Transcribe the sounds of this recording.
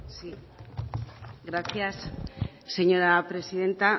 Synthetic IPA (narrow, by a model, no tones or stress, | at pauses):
si | ɡɾaθjasː | eɲo̞ɾapɾe̞sið̞e̞nt̪a